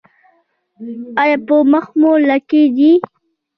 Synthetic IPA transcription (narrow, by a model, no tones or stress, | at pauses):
ajapəməxmulaked̪i